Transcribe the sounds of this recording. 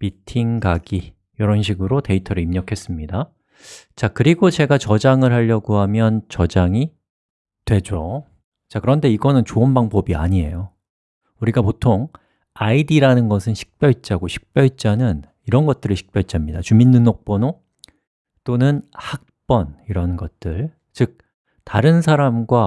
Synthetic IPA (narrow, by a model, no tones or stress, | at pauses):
pitʰiŋɡaɡi | jʌɾʌnɕ̬ʰiɡɯɾote̞itʰʌɾɯimɲʌkʰe̞s͈ɯmɲida | t͡ɕakɯɾiɡot͡ɕe̞ɡat͡ɕʌd͡ʑaŋɯɭhaʎːʌɡohamjʌnt͡ɕʌd͡ʑaŋi | twe̞d͡ʑo | t͡ɕakɯɾʌnde̞iɡʌnɯnt͡ɕoʌnbaŋbʌbia̰ɲie̞jo | uɾiɡapotʰoŋ | aidiɾanɯnɡʌsʰɯnɕʰi̥k̚p͈jʌɭit͡ɕ͈aɡoɕʰi̥k̚p͈jʌɭt͡ɕ͈anɯn | iɾʌnɡʌt̚t͈ɯɾɯɭɕʰi̥k̚pjʌɭt͡ɕ͈amɲidat͡ɕuminːunok̚p͈ʌno | t͈onɯnhak̚p͈ʌniɾʌnɡʌt̚t͈ɯɭ | t͡ɕɯk̚ | taɾɯnsʰaɾamɡwa